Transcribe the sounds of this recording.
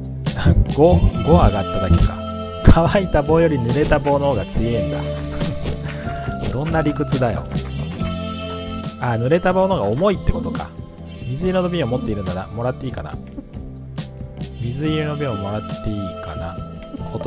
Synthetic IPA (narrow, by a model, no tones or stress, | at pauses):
ɡ̥oɡo̞aɡat̪ːad̪akʲika̰ | kʰaβait̪abo̞ːjo̞ɾʲinɯ̟ɾe̞t̪abo̞ːnoooɡat͡sɨiẽ̞nd̪a̰ | d̪̥õ̞nːaɾʲikɯ̟t͡sɨd̪ajo̰ | anɯ̟ɾe̞t̪abo̞ːno̞ɡaomo̞it̪ːe̞ko̞t̪o̞ka̰ | mʲizɨinonobʲĩomo̞t̪ːe̞iɾɯ̟̃nd̪ad̪a̰mo̞ɾat̪ːe̞iːkana̰ | mʲizɨiɾenobʲĩomo̞ɾat̪ːe̞iːkana | kʰot̪